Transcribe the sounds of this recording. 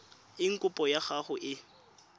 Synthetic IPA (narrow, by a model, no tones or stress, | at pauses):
ɪŋ̩kʼʊpʼɔjaχaχʊʔɪ